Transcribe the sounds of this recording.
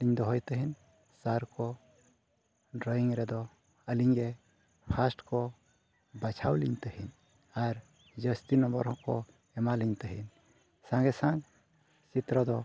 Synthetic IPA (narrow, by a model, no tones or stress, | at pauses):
liɲd̪ɔɦɔjt̪əɦin | saɾkɔ | ɾɔjiŋɾɛd̪ɔ | əliɲɡɛ | pʰasʈkɔ | bat͡ʃʰawliɲt̪əhin | aɾ | d͡ʒəst̪inɔmbɔɾɦɔ̃kɔ | ɛmaliɲt̪əɦḭn | sãŋɡɛsãŋ | t͡ʃit̪ɾɔd̪ɔ